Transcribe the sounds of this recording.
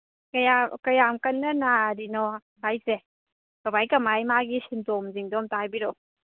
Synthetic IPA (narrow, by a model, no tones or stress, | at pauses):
kɐjakɐjamkɐnːɐnaɾinɔ | hajse | kɐbajkɐmajmaɡisintomziŋdɔmtajbiɾo